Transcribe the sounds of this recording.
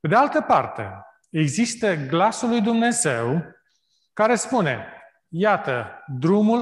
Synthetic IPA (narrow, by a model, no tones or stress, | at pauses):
pe̞d̪ealt̪əpa̰rt̪e̞̰ | eɡzist̪əɡlasulːujd̪umne̞ze̞w | kaɾe̞spune̞ | jat̪əd̪ɾumul